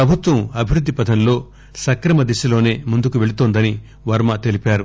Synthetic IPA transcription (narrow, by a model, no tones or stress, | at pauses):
ɾɐbʱut̪ʋɐmɐbʱiɾud̪ːipɐd̪ʱɐnlo̞ː | sɐkɾɐmɐd̪iʃɐlo̞ːne̞ːmund̪ukuʋe̞ɭut̪oːnd̪ɐni | ʋɐɾmɐt̪elipaːɾu